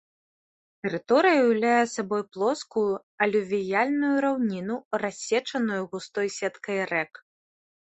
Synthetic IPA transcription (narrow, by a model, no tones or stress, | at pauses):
t̪ɛɾɨt̪ɔɾɨjɐuwlʲajɛsabɔjplˠɔskuju | ɐlʲuvʲijalʲnujuɾawnʲinurasʲːɛt͡ʂɐnujuɣust̪ɔjsʲɛt̪kɐjrɛk